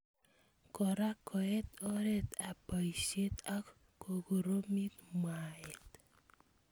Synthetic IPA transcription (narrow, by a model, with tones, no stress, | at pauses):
kɔ˨ɾa˦kʰɔ˨ɛ˦t̪ɔ˦ɾe˦t̪a˨pɔ˨i˨se˦t̪a˦ | ko˨ɡo˨ɾo˦mi˦t̪mwaɛ˨t̪